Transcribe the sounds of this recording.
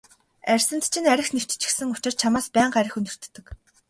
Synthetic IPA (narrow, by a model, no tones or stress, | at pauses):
ærʲsɘ̆nt̪t͡ɕʰinæɾʲɪ̆xniw̥t͡ɕt͡ɕɪ̥̆xsɘ̆ŋʊt͡ɕɪ̆r̥t͡ɕʰamaːspæːɴɢæɾʲɪ̆xunɵ̆r̥t̪ːɘ̆k